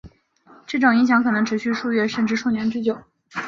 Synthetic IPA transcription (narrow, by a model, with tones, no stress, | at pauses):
ʈ͡ʂɤ˥˩ʈ͡ʂʊ˨˩ŋi˧˥ŋɕjɑ˧˥ŋkʰɤ˨˩nɤ˧˥ŋʈ͡ʂʰɻ̩˧˥ɕy˥˧ʂu˥˧ɥɛ˥˧ʂə˥˧nʈ͡ʂɻ̩˥˧ʂu˥˩njɛ˧˥nʈ͡ʂɻ̩˥˩t͡ɕjo˨˩˦ʊ